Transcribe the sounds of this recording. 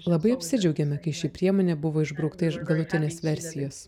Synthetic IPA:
lˠɐbɐɪɐpʲsʲɪd͡ʒʲɛʊɡʲɛmʲɛkɐɪʃʲiːpʲɾʲiɛmoːnʲeːbʊʋoːɪʒbɾɐʊkt̪ɐɪʃɡɐlˠʊt̪ʲɪnʲeːsʋʲɛɾʲsʲɪjoːs

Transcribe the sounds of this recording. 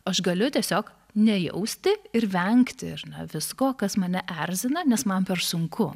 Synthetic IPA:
ɐʃɡɐlʲʊt̪ʲiɛsʲoːk | nʲɛjɛ̰ʊsʲt̪ʲɪɪɾʋʲɛŋkt̪ʲɪɪɾnɐʋʲɪskoːkɐsmɐnʲɛʔærʲzʲɪnɐnʲɛsmɐnpʲɛrsʊŋkʰʊ

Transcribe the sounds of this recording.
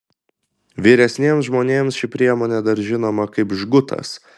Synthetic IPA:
ʋʲiːɾʲɛsʲnʲiɛmsʒmoːnʲeːmsʃʲɪpʲɾʲiɛmoːnʲɛd̪ɐɾʒʲɪnoːmɐkɐɪpʒɡʊt̪ɐ̰s

